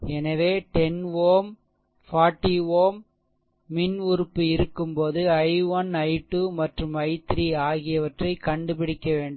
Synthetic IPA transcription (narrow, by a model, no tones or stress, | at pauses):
ɛnɐʋeːʈɛnʋoːm | faːɾʈːiʋoːmː | ɪnʊɾɯpːɯɪɾɯkːɯmpoːðɯɐɪʋɐnɐɪʈːumɐʈrɯmɐɪt̪ːɪɾiaːɣɪjɐʋɐʈrɐɪkɐɳɖɯpɪɽɪkːɐʋeːɳɖ